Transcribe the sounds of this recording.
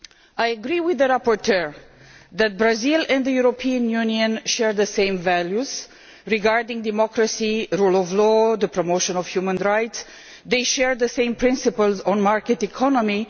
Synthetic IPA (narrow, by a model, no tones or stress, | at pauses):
ajəɡɾiwɪðəɹapɔɹtʰɜɹ | ðæt̚bɹazilɛ̃nðəjuɾopʰiə̃njuniə̃nʃɛɹðəsẽɪ̃mvæljuz̥ | ɹiɡaɹdɪ̃ŋdɪmɔkɹəsiɾulɔvlɔðəpʰɹomoʊʃə̃nɔvhjumə̃nɹajts | ðeɪʃɛɹðəsẽɪ̃mpʰɹɪ̃nsɨpəlˠzɔ̃nmaɹkɨtikʰɔnəmi